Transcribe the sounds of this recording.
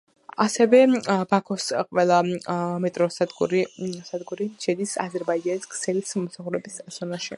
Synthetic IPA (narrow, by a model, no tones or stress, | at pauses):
asɛvɛbakʰɔsqʼwɛlˠamɛt̪ʼɾɔsad̪ɡṵɾisad̪ɡuɾiʃɛd̪isa̰zɛɾbaid͡ʒaniskʰsɛlismɔmsaχuɾɛbisz̥ɔnaʃi